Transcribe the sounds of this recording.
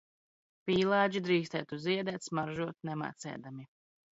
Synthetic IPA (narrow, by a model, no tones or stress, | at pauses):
pʲiːlˠɑːd͡ʒid̪ɾiːst̪ɛ̰ːt̪uziɛd̪ɛt̪smaɾʒuɔt̪nɛma̰ːt̪sɛ̰ːd̪ami